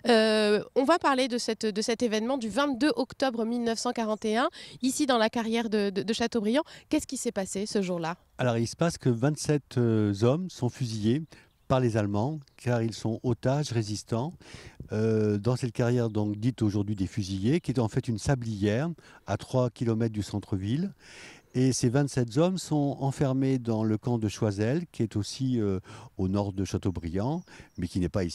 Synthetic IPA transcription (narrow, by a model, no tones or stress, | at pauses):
øɔ̃vapaʁled̪əsɛt̪d̪əsɛt̪evɛnmɑ̃d̪yvɛ̃t̪d̪øʔɔkt̪ɔbʁmilnœfsɑ̃kaʁɑ̃t̪eɛ̃isid̪ɑ̃lakaʁjɛʁd̪əd̪əd̪əʃat̪obʁijɑ̃kʲɛskʲisɛpasesəʒuʁla | alɔʁilsə̥paskəvɛ̃t̪sɛt̪zɔmsɔ̃fyzije | paʁlezalmɑ̃kʰaʁilsɔ̃ʔot̪aʒʁezist̪ɑ̃ød̪ɑ̃sɛt̪̚kaʁjɛʁd̪ɔ̃kd̪it̪oʒuʁd̪ɥid̪efyzijekʲiɛt̪ɑ̃fɛt̪ynsablijɛʁat̪χwakʲilɔmɛt̪̚d̪ysɑ̃t̪χəvil | esevɛ̃t̪sɛt̪zɔmsɔ̃ɑ̃fɛʁmed̪ɑ̃ləkɑ̃d̪əʃwazɛlkʲiɛt̪osiøonɔʁd̪əʃat̪obʁijɑ̃mɛkʲinɛpai